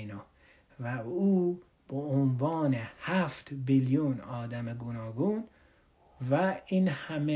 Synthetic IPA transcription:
no | væuː | b̥eonvɑːnehæft̪biljunɒːd̪æmeɡunɒːɡun | væinhæme

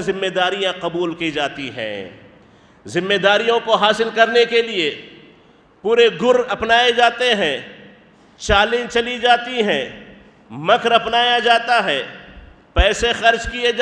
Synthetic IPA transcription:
zɪ̃mːed̪aːɾijãqɐbuːlkid͡ʒaːt̪iɦɛ̰̃ː | zɪ̃mːeːd̪aːɾijõkoɦaːsɪlkɐɾnekelie | puːɾeɡʱʊɾɐpnaːed͡ʒaːt̪eɦɛ̃ː | t͡ʃaːlɪ̃t͡ʃɐlid͡ʒaːt̪iɦɛ̃ː | mɐkʰɾɐpnaːjad͡ʒaːt̪aɦɛ̃ː | pɛːsexɐɾd͡ʒkie

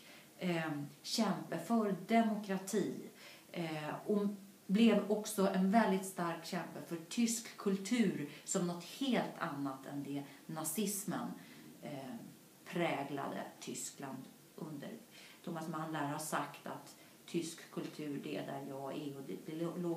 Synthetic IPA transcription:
ɕɛmpəfœɾd̪ɛmʊkɾat̪ʰiː | ɔ | blɛvɔksɔʔɛnvɛld̪ɪt̪st̪aɾkɕɛmpəlfœʈʰʏskʰːɵlt̪ʰʉ̟ːɾsɔmnɔt̪heːlt̪ʰa̰nːat̪ʰɛnd̪ɛnasɪsmə̰n | pʰɾɛːɡla̰d̪ə̰t̪ʰʏskland̪ | ʔɵ̰nd̪ə̰ɾt̪ʰʊmasmanlæɾhasakt̪ʰa̰t̪ʰː | ʏskkʰːɵlt̪ʰʉ̟ːɾɖ̪ɛɛ̰d̪æɾjɑːɡɛɔd̪ɛb̪ɪloː

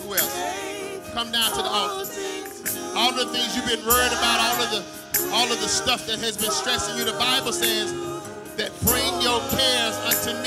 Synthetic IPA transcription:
wɛlˠ | kʰʌ̃mdãʊ̃ntʰɨðiɔɨ | ɔlˠʌvðəθɪ̃ŋzjɨvbɨ̃nɹɜ̃˞ɾɨbaʊɾɔlˠʌvðə | ʔɔlˠʌvðəstʌfðɨt̚hɨzbɨ̃nstɹ̥ɛsɪ̃ŋjɨðəbaɪbl̩ˠsɛz | ðɨt̚b̥ɹẽɪ̃nd͡ʒoʊkʰɛɹzʌ̃ntʰɨn

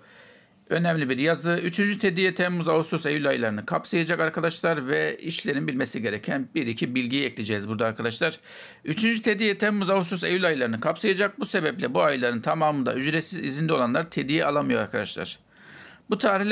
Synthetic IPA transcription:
ø̞næmlʲibiɾjazɯyt͡ʃʰynd͡ʒyt̪ʰed̪ijɛt̪ʰɛmːuzaust̪usejylʲajɯlˠaɾɯnɯkʰapsajad͡ʒakaɾkʰad̪aʃlˠaɾvɛiʃlʲe̞ɾinbilʲme̞siɟe̞ɾɛcʰænbiɾicʰibilʲɟijjɛclʲed͡ʒɛːzbuɾd̪aːɾkʰad̪aʃlˠaɾ̥ | yt͡ʃʰynd͡ʒyt̪ʰe̞d̪ijɛt̪ʰɛmːuzaust̪usejylʲajɯlˠaɾɯnɯkʰapsajad͡ʒak̚buse̞bɛplʲɛbuajlˠaɾɯnt̪ʰamaːmɯnd̪a̰yd͡ʒɾesizḭzind̪ɛo̞lˠanlˠaɾt̪ʰe̞d̪ijɛʔa̰lˠamɯjoɾa̰ɾkʰad̪aʃlˠa̰ɾ̥ | but̪ʰaːɾilʲ

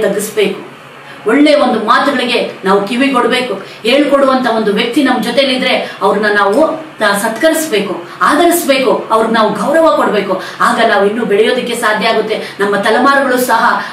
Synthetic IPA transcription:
t̪ɐɡisbeːku | oɭːe̞ːʋond̪umaːt̪uɡɐɭiɡe̞naːʋukiʋikoɽbe̞ːku | ɦeːɭkoɽuʋɐnt̪ʰɐo̞nd̪uʋjɐk̚t̪inɐmːɐd͡ʒɔt̪elːid̪ɾe̞ɐʋɐɾɐnːɐnaːʋunasɐt̪kɐɾisbe̞ːku | aːd̪ɐɾisbe̞ːkuɐʋɐɾunːaːʋuɡʱɐwɾɐʋɐkoɽbe̞ːkuaːɡɐnaːʋuinːuːbɛɭɛjo̞ːd̪ɐkːe̞saːd̪ʱjɐaːɡut̪ːe̞nɐmːɐt̪ɐlɐmaːɾɐɡɐɭuːsɐɦɐ

